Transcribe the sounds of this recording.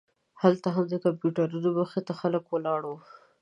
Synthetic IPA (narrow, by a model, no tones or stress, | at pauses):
halt̪aɦamd̪əkampjuʈaɾunoməxet̪axaləkwəlɑɽo